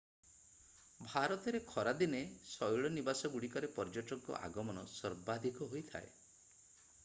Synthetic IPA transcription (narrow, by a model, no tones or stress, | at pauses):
bʱaɾɔt̪ɔɾekʰɔɾad̪inesɔjɭɔnibasɔɡuɽikɔɾepɔɾd͡ʒɔʈɔŋkɔ̰ʔa̰ɡɔmɔnɔsɔɾbad̪ʱikɔɦojt̪ʰa̰e